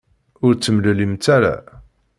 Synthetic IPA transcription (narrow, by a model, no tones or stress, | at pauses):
ʊɾt͡sːəmləlimt͡s̪aɾa̰